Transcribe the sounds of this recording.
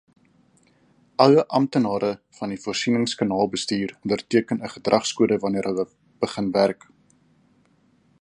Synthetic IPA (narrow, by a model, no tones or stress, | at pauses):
ʔɐwəʔɐmtənɑːɾəfɐnifuːrsinəŋskɑnɑːlˠbəstiːrəndərtiəkənəχədrʔɐχskuədəvɐniəɾɦəwə | b̥əχənværk